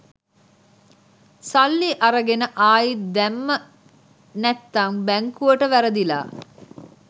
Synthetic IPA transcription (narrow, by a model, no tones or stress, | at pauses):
salːiʔaɾəɡenəʔaːjid̪æmːə | næt̪ːaŋbæŋkuʋəʈəʋæɾəd̪ila̰ː